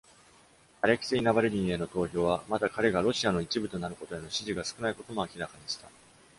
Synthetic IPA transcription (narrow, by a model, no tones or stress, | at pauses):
aɾe̞kʲi̥seinabaɾeɾʲĩɰe̞no̞t̪o̞ːço̞ːβamat̪akaɾe̞ɡaɾo̞ɕiano̞it͡ɕibɯ̟t̪o̞naɾɯ̟ko̞t̪o̞e̞no̞ɕiʑiɡasɨ̥kɯnaiko̞t̪o̞mo̞akʲiɾakaɲ̟iɕi̥t̪a